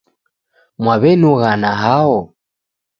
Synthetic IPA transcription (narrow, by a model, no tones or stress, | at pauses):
mwaβɛnuɣanaɦaɔ